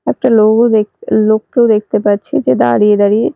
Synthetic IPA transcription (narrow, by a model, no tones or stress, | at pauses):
ɛk̚ʈaloɡoekloːk̚kewd̪ek̚ʰt̪epaɾt͡ʃʰed͡ʒed̪a̰ɾied̪aɾie